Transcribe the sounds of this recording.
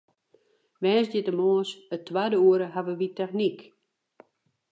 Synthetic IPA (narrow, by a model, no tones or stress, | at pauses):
ʋɛːsdjɪtəmoːəsətʰːwadəuəɾəɦaʋəʋitɛxnik